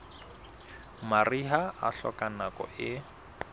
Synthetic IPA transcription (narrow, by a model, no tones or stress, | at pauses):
mariɦaaɬɔ̰kʼanakɔ̰ʔɪ